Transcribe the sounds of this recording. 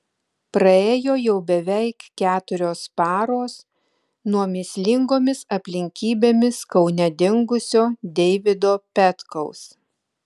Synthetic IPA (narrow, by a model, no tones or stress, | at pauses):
pɾɐeːjoːjɛʊbʲɛʋʲɛɪkkʲæːt̪ʊɾʲoːspɑːɾoːs | nuɔmʲɪsʲlʲɪŋɡoːmʲɪsɐpʲlʲɪŋʲkʲiːbʲeːmʲɪskɒʊnʲɛd̪ʲɪŋɡʊsʲoːd̪ʲɛɪʋʲɪd̪oːpʲɛt̪kɐʊs